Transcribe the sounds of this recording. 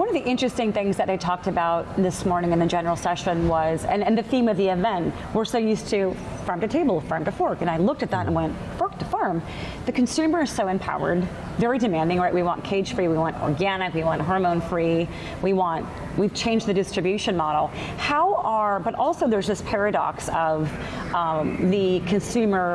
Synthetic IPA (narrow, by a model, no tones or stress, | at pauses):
wʌ̃nʌvðiʔɪ̃nt͡ʃɹ̥ɨstɪ̃ŋθɪ̃ŋzðɨt̪̚ðeɪtʰɔk̚tɨbaʊt̪̚ðɪsmɔɹnɪ̃ŋɨ̃nðɨd͡ʒɛnə˞l̩ˠsɛʃɨ̃nwʌzɨ̰̃nɨ̃nðɨθĩmʌvðiɨvɛ̃nt | wə˞soʊjʉstʰɨ | fɜ̃˞mtɨtʰeɪbl̩ˠfɜ̃˞mtɨfɔɹkɨ̃naɪlʊk̚tɨt̪̚ðə̃mə̰̃nwɛ̃nt | fɔɹk̚tʰɨfɜ̃˞m | ðɨkʰɨn̩sʉmə˞ɨz̥soʊɨ̃mpʰa̰ʊə̰˞d | vɛɹidɨmæ̃ndɪ̃ŋɹaɪʔ̚wiwɑ̰̃nkʰeɪd̥ʒ̥fɹiwiwɑ̃ntɔ̰ɹɡænɨkwiwɑ̃nʔɦɔɹmõʊ̃nfɹi | wiwɑ̃nt̚ | wiv̥t͡ʃʰẽɪ̃nd͡ʒðɨdɨstɹ̥ɨbjʉʃɨ̃nmɑɾl̩ˠ | haʊə˞bʌɾʔɔlˠsoʊðə˞zðɪspʰɛɹɨɾɑ̰ksʌv | ðɨkʰɨ̃nsʉmə˞